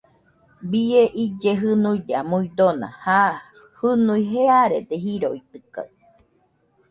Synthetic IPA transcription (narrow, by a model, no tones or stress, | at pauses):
bieʔid͡ʒeɦɨnuideamuid̪onã̰ha | hɨnuiɦeaɾed̪eɦiɾoit̪ɨka̰